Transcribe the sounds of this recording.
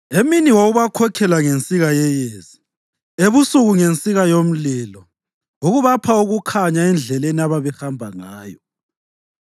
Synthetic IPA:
eminiwoɣuβakʰɔkʰɛlaŋent͡sʼiɣajɛjeːzi | eβusuɣuŋent͡sʼiɣajom̩lilɔ | uɣuβapʰauɣukʰaɲaɛnd͡ɮʱɛleniaβaβɛhambʱaŋaːjɔ

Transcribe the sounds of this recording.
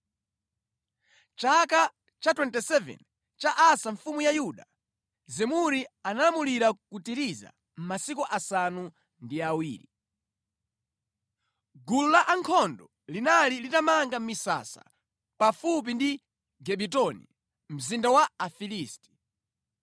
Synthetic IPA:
t͡ʃaka | t͡ʃatwɛntɛsɛvɛ̰n | t͡ʃaʔasaɱfumujajuɗa | zɛmuɾianalamuliɾakutiɾiza̰ | m̩masikuʔasanu | ndiawiːɾi | ɡululaʔaŋkʰɔndɔ | linalilitamaŋɡam̩misa̰sa̰ | pafup̬indi | ɡɛɓitɔnḭ | m̩zindawaːfiliːsti̥

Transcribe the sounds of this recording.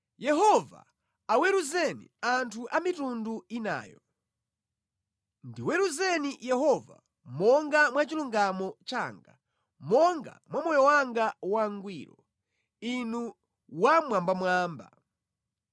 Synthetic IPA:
jɛɦɔva̰ | awɛɾuzɛnḭantʰuʔamitunduina̰ːjɔ | ndiwɛɾuzɛnijɛɦɔva̰ | mɔŋɡamwat͡ʃiluŋɡamɔt͡ʃa̰ŋɡa | mɔŋɡa̰mwamɔjɔwaŋɡawaŋɡwiːɾɔ | inu | wamwambamwaːmba̰

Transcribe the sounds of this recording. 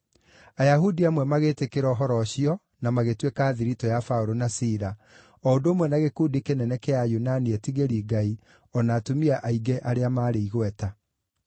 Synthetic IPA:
ajaɦudiamwɛmaɣetekeɾɔːɦɔɾɔɕiɔ | namaɣetwekaːðiɾitɔjafaoɾonasiːɾa | ɔondoːmwɛnaɣekuːdikenɛnɛkɛajunaniɛtiɣeɾiːɡai | ɔnaːtomiaʔaiɡɛʔaɾeamaːɾeiɣwɛta

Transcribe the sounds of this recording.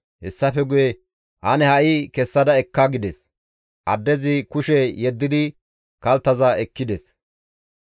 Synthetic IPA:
hɛ̰sːɐfɛɡʊjɛ | ʔɐnɛhɐʔikɛsːɐd̪ɐɛkːaɡɪd̪ɛs | ʔɐd̪ːɛzɪkʊʃɛjɛd̪ːɪd̪ɪ | kɐlt̪ːɐzɐɛkːɪd̪ɛs

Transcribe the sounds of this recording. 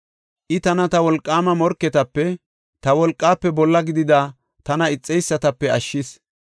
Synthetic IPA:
ʔɪt̪ɐnɐt̪ɐwɔlkʼːaːmɐmɔɾkːɛt̪ɐpːɛ | t̪ɐwɔlkʼːaːpːɛbɔlːɐɡɪd̪ɪd̪aː | t̪ɐnɐɪt͡sʼːɛjsːɐt̪ɐpːɛɐʃːɪs

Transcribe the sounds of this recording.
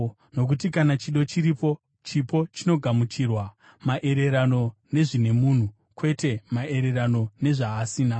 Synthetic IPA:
no̞k̬utikanat͡ʃiɗo̞t͡ʃiɾipo̞ | t͡ʃipo̞t͡ʃino̞ɡʱamut͡ʃirwa | maʔe̞ɾe̞ɾano̞ne̞ʐine̞mun̤u | kwe̞te̞mae̞ɾe̞ɾano̞ne̞ʐaːsiːna

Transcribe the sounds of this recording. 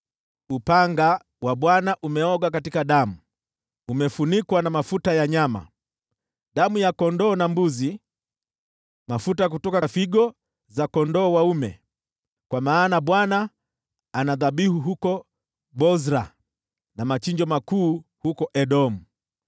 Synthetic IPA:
upaŋɡa | waɓwanaʔumɛɔɡak̬atikaɗamu | umɛfunikwanamafutajaɲama̰ | ɗamujakɔndɔːnambuzi | mafutak̬utɔkafiɡɔ | zakɔndɔːwaumɛ̰ | kwamaːnaɓwana | anaðaɓihuɦukɔ | bɔzɾa | namat͡ʃiɲd͡ʒɔmakuːhukɔʔɛɗɔmu

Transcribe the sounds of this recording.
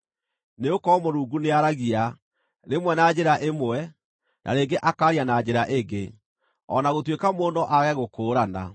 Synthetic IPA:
neokɔmoɾuːɡuneaɾaɣia | ɾemwɛnad͡ʑeɾaʔemwɛ | nʔa̰neːɡeʔakaːɾianad͡ʑeɾaʔeɡe | ɔ̰naɣotwekamoːndɔʔaɣɛɣokoːɾana̰

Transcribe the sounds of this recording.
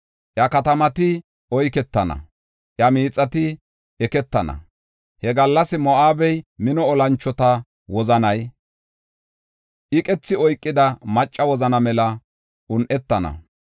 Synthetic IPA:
ʔjɐkɐt̪ɐmɐt̪ɪ | ʔɔjkɛt̪ːɐnɐ̰ | ʔjɐmiːt͡sʼːɐt̪ɪ | ɛkɛt̪ːɐnɐ̰ | hɛɡɐlːɐsɪmɔʔaːbɛjmɪnɔːlɐnt͡ʃːɔt̪ɐ | wɔzɐnɐj | ʔɪkʼɛt͡sːɪɔjkʼːɪd̪ɐmɐt͡ʃʼːɐwɔzɐnɐmɛlɐ | ʔʊnʔɛt̪ːɐnɐ̰

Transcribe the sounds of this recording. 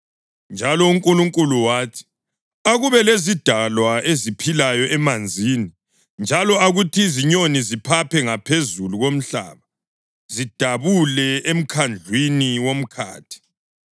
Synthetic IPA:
nd͡ʒʱalɔuŋkʼuluŋkʼuluwaːtʰi̥ | aɣuβɛlezid̥ʱalwaezipʰilajɔʔɛmand͡zʱiːni | nd͡ʒʱalɔaɣutʰiziɲonizipʰapʰɛŋapʰezuluɣom̩ɬa̰ːβa | zid̥ʱaβulɛem̩kʰand͡ɮʱwiniwom̩kʰa̰ːtʰi̥

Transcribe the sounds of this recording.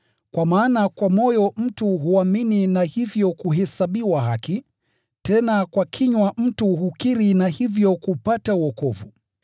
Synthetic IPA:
kwamaːnakwamɔjɔm̩tuɦuamininahivjɔkuɦɛsaɓiwaɦaki | tɛnakwakʰiɲwam̩tuhukiɾinahivjɔkupatauɔkɔvṵ

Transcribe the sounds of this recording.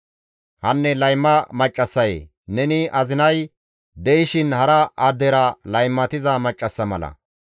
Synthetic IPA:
hɐnːɛlɐjmːɐmɐt͡ʃʼːɐsːɐjḛː | nɛnɪʔɐzɪnɐj | d̪ɛjɪʃɪnhɐɾɐʔɐːd̪ɛɾɐlɐjmːɐt̪ɪzɐmɐt͡ʃʼːɐsːɐmɐ̰lɐ̰

